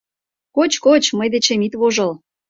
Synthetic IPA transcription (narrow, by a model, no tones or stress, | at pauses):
kot͡ɕkot͡ɕməjd̪et͡ɕĕmit̪βoʒɤ̆l